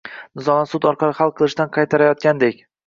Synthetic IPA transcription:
nɪzɒnasʊt̪ɒɾqʰɑɾɪχalˠqʰɨlˠɪʃd̪anqʰɑjt̪ʰaɾajɒt̪̚kʲand̪ekʲ

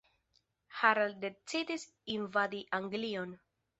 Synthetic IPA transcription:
haɾalde̞t͡sidis | invadiʔaŋɡlion

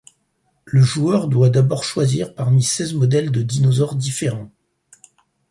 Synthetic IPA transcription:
ləʒuœʁd̪wad̪abɔʁʃwaziʁpaʁmisɛzmɔd̪ɛld̪əd̪inɔzɔʁd̪ifeʁɑ̃

